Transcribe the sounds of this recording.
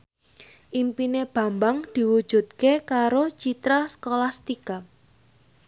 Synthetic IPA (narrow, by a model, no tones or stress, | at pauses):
ʔimpineb̥ä̤mbaŋd̪̥i̤wu̥ʒ̥ṳt̪̚kekaɾot͡ʃit̪ɾaskolast̪ika